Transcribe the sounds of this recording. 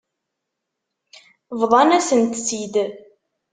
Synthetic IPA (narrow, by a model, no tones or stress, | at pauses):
vðˤɑnæsənt̪sid̪